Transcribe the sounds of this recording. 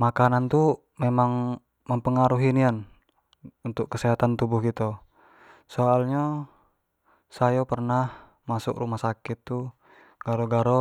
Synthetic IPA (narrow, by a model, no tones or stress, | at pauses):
makanant̪u | memaŋ | məmpəŋaɾuɦinian | unt̪ʊkːəsɛɦat̪ant̪ubʊhkit̪o | soalɲa | sajapərnah | masṵkrumahsakit̪ːu | ɡ̥aɾoɡaɾo